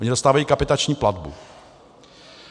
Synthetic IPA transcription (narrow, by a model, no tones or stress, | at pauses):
ʔoɲɪdost̪aːvajiːkapɪt̪at͡ʃɲiːpladbṵ